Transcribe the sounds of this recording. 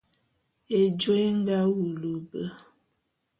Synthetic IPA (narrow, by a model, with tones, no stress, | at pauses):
e˨d͡ʒo˦ŋ̩˦ɡa˦wu˨lu˨bə˦